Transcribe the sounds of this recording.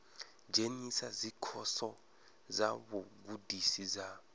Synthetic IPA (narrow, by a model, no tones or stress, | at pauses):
d͡ʒʱenisazikʰɔsɔ | zaβoɡudʱisiza